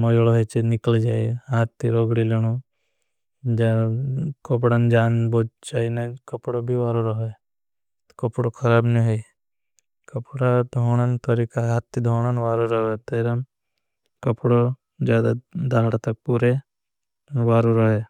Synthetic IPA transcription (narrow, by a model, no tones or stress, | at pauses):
mɐjloɦet͡ʃenɪkəld͡ʒaːiɦaːt̪ːiɾoːɡɽileɽ̃o | d͡ʒakɐpɽənd͡ʒaːnboːt͡ʃaːinekɐpɽobʱiʋaːɾoɾɐɦe̥ | kɐpɽokʰɐɾaːbniɦoi | kɐpɽad̪ʱoːɽ̃ant̪ɐɾiːkaat̪ːid̪ʱoːɽ̃anʋaːɾoɾɐɦet̪eɾɐm | kɐpɽo | d͡ʒjaːd̪ad̪aːɽt̪ɐk̚puɾe | ʋaːɾuɾɐɦe